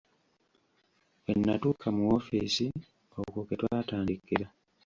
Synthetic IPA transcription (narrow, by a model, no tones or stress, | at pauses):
e̞nːatuːkʰamuwofisi | okoketwaːtaːndikːiɾa